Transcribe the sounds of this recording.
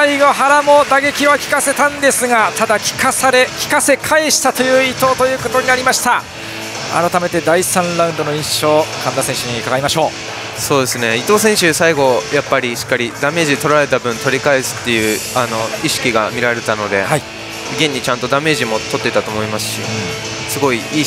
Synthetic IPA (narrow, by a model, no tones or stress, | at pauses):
aiɡo̞ɦaɾamo̞d̪aɡe̞kʲiβakʲi̥kase̞t̪ãnd̪e̞sɨɡat̪ad̪akʲi̥kasaɾe̞kʲi̥kasekʰae̞ɕi̥t̪at̪o̞jɯ̟ːit̪o̞ːt̪o̞jɯ̟ːko̞t̪o̞ɲ̟inaɾʲimaɕi̥t̪a | a̰ɾot̪ame̞t̪e̞d̪aisãnɾaɯ̃nd̪o̞no̞ĩɰ̃ɕo̞ːkãnd̪asẽ̞ɰ̃ɕɯɲikaɡaɾimaɕo̞ː | so̞ːd̪e̞sɨne̞it̪o̞ːsẽ̞ɰ̃ɕɨsaiɡo̞japːaɾʲiɕi̥kːaɾʲid̪ame̞ːʑit̪o̞ɾaɾe̞t̪abɯ̟̃nt̪o̞ɾʲikaesɨ̥t̪ːe̞jɯ̟ːano̞iɕi̥kʲiɡamʲiɾaɾe̞t̪ano̞d̪e̞hai | ɡẽɲ̟ːit͡ɕãnt̪od̪ame̞ːʑimo̞t̪o̞t̪ːe̞it̪at̪o̞ːmo̞imasɨ̥ɕi | sɨɡo̞iiː